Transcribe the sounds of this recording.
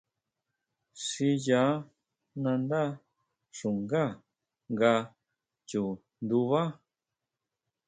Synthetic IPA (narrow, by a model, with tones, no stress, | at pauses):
si˧ja˨˦ | nã˧nd̪a˦ | ʂu˨ŋɡa˦˨ | ŋɡa˧ | t͡ʃu˨ | nd̪u˧βa˦